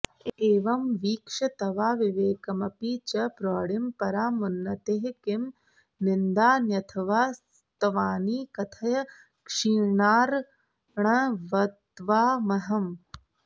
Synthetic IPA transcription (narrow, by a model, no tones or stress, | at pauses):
eːʋɐmʋiːkʂɐt̪ɐʋaːʋiʋeːkɐmɐpiːt͡ʃɐpɾɔːɽimpɐɾaːmunːɐt̪eːɦkɪm | nɪnd̪aːnjɐt̪ʰɐʋaːs | t̪ɐʋaːniːkɐt̪ʰɐjɐ | kʂiːɳaːɾ | ɳɐʋɐt̪ʋaːmɐɦɐm